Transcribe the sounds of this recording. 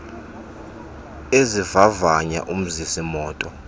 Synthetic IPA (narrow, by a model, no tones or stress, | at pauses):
ezivavaɲa̰ʔum̩zisimɔːtʼɔ